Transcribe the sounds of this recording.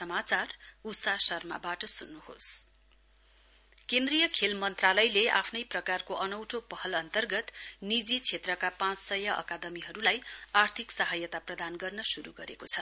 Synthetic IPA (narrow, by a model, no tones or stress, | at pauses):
sʌmat͡sarusasʌrma̰baʈʌsunːuho̰s | kend̪rijʌkʰelmʌnt̪ralʌjlea̰pʰnʌjprʌkarkoʔʌnʌwʈʰopʌɦʌlʌnt̪ʌrɡʌt̪nid͡zit͡sʰet̪rʌkapãt͡ssʌjʌʔʌ̰kad̪ʌmiɦʌɾulajart̪ʰiksʌɦʌjʌt̪aprʌd̪anɡʌrnʌsuɾuɡʌɾekot͡sʰʌ